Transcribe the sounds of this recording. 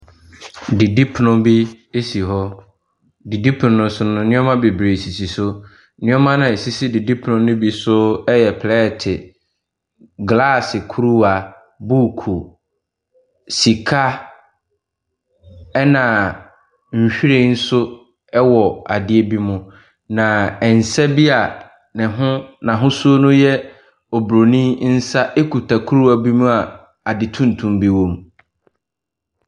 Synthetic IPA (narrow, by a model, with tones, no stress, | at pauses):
di˨di˦pʰnʊ̃˦bi˦ | e˦si˨ɦɔ˦ | di˨di˦pʰʊ˨nʊ̃˨nʊ̃˦sʊ˦nʊ̃˨nɪ̃˦ɔ˦mã˦be˨bɾe˨si˨sʰi˨sʊ˦ | nɪ̃˦ɔ˦mã˦nã˨e˨si˦si˦dɪ˨di˦pʰnʊ̃˦nʊ̃˦bi˦sʊ˦ɛ˦jɛ˨pʰlɛ˦˨tʰɪ˨ | ɡla˦˨sɪ˨kʰu˦ɾu˦a˨ | bu˦˨kʰu˨ | si˨kʰa˦ | ɛ˦nã˨ | ɲ̩˨ɕᶣi˦ɾe˦n̩˦sʊ˦ | ɛ˦wɔ˨a̰˨dɪ˦e˦bi˦mʊ̃˨ | nã˨ɛ˨n̩˨sɛ˦bi˦a˨ | nɪ̃˨ɦʊ̃˦nã˨ɦʊ̃˦su˦o˦nʊ̃˦jɛ˦ | ɔ˨bɾo˨nĩ˦n̩˦sa˦ʔe˦kʰu˨tʰa˨kʰu˦ɾu˦a˨bi˦mʊ̃˦a˨ | a˨dɪ˨tʰũ˦n˨tʰũ˨mbi˦wõ˨m